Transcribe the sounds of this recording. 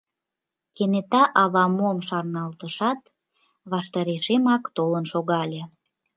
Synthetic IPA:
kenet̪ɑʔɑlɑmuomʃɑrnɑlt̪əʃɑt̪ | βɑʃt̪ɑɾeʃemɑkt̪olənʃoɣɑlʲĕ

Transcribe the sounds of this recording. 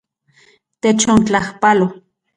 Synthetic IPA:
t̪et͡ʃont͡ɬahpalo

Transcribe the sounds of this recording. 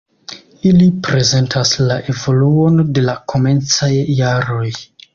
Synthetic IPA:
ilipɾe̞ze̞ntʰaslaʔe̞vo̞luo̞nde̞lakʰo̞me̞nt͡sajːaɾo̞j

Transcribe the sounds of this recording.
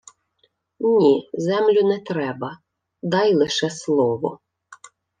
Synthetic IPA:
nʲizɛmlʲʊnɛt̪ɾɛbɐ | d̪ɑjlˠɪʃɛslˠɔʋɔ

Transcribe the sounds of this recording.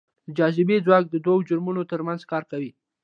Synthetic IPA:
d̪əd͡ʒɑzɪbed͡zwɑk̚d̪əd̪wawod͡ʒʊɾmunot̪əɾmanzkɑɾkawi

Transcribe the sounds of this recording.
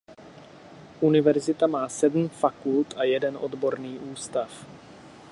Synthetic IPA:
ʔunɪvɛɾzɪt̪amaːsɛdm̩fakult̪ʔajɛdɛnʔo̞dbo̞ɾniːʔuːst̪af

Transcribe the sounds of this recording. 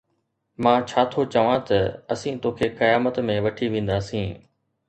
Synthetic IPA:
mãːt͡ɕʰaːt̪ʰot͡ɕɐʋãt̪ɐɐsĩːt̪oːkʰeːkɐjaːmət̪mẽʋɐʈʰiʋẽːn̆d̪aːsĩː

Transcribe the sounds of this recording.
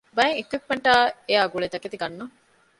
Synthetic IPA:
bɐjeŋekwip̚meɳʈaːejaːɡuɭed̪ɐket̪iɡɐnːu

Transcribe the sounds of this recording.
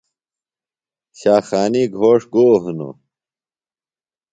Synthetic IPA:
ɕaːxaːniɡʱoːʂɡoːɦuno̰

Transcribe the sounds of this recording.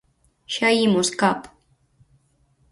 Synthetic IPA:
ʃajimuskap

